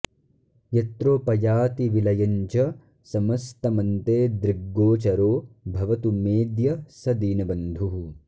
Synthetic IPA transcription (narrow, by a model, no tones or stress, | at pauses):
jɐt̪ɾoːpɐjaːt̪iʋilɐjɐɲt͡ʃɐ | sɐmɐst̪ɐmɐnt̪eːd̪ɾiɡːoːt͡ʃɐɾoːbʱɐʋɐt̪umeːd̪jɐsɐd̪iːnɐbɐnd̪ʱuɦu